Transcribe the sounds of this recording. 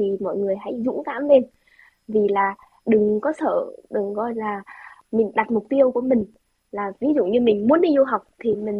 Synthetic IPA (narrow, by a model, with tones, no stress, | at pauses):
i˨˩mɔ̰˧˨jŋɨ˨˩əjɦa̰˧˥jzʊ̰˧˥ŋ͡mkaː˧˥mle˧n | vi˨˩laː˨˩ | ɗɨ˨˩ŋkɔ˨˦sə̰ː˧˨ɗɨ˨˩ŋkɔ˧jlaː˨˩mï˨˩ŋ̟ɗa˨˩t̚mʊ˨˩k͡p̚t̪i˧əwku˧˩əmï˨˩ŋ̟ | laː˨˩vi˨˦zṵ˧˨ŋ͡mɲɨ˧mï˨˩ŋ̟mu˨˦ənɗi˧zu˧ɦa˨˩wk͡p̚t̪ʰi˨˩mï˨˩ŋ̟